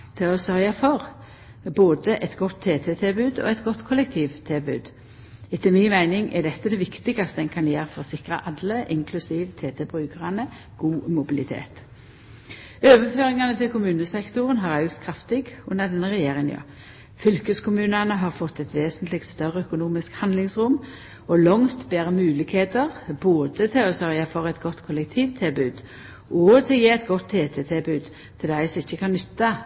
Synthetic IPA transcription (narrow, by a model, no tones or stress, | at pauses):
t̪ʰɪɔsœʁjɑfɔʁ | boːd̪əʔɛt̪ɡɔt̪ʰːeːt̪ʰɛt̪ʰɪlbʉːd̪o̰ːɛt̪ɡɔt̪ːkʰʊlɛk̚t̪ʰiːʋt̪ʰɪlbʉ̰ːd̪ | ɪt̪ɪlmɪnmæɪnɪŋʔɛd̪ɛt̪ːəd̪ɛʋɪkt̪ɪɡɑst̪əɛnkʰɑnjeːʁfɔʁɔsɪkʁɑ̰ʔɑlːəʔɪŋkʰlʉsiːʋt̪ʰeːt̪ʰɛbʁʉːkəʁɑnə | ɡ̥uːmʊbɪlɪt̪ʰḛːt̪ | øːʋəføːʁɪŋɑnət̪ʰɪlkʊmʉːnəsɛkt̪ʊʁənɦɑʁɑʉɡt̪kʰʁɑft̪ɪɡʉnːəʁd̪ɛnːəʁɛjeːʁɪŋənjø̰ | fʏlkəskʰʊmʉːnənəɦɑʁfɔt̪ːɛt̪ʋeːsənt̪ʰlɪɡkt̪st̪œʁəœkʊnuːmɪskhɑnd̪lɪŋsʁʊm | ɔlɔŋt̪beːʁəmʉːlɪɡheːt̪əʁboːd̪ət̪ʰɪlɔsœʁjəɑfɔʁəɛt̪ɡɔt̪ːkʰɔlɛkt̪ʰiːʋt̪ʰɪlbʉːd̪ | ʔɔt̪ʰɪlɔjiːɛt̪ɡɔt̪ʰːeːt̪ʰeːt̪ʰɪlbʉːd̪ | t̪ʰɪlæɪsɔɪçːəkʰɑnnʏt̪ːɑ